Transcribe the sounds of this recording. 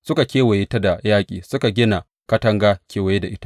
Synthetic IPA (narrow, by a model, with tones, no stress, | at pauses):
sʊ˦ka˨kʲeː˦wɐ˨je˦ta˦da˨jaː˦kʲʼḭː˨sʊ˦ka˨ɡʲɪ˦na˨ | kɐ˦tɐ˦ŋɡaː˦kʲʰeː˨wa˨je˦da˨ʔɪ˦ta˦ʔ